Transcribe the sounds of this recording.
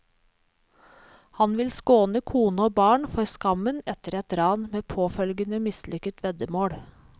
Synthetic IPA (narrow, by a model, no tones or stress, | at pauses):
hɑnʋɪlskoːnəkʰuːnəoːbɑːɳfɔɾskɑmənɛt̪əɾɛt̪ɾɑːnmeːpʰoːfœlɡənəmɪslʏkət̪ʰʋɛd̪əmoːɽ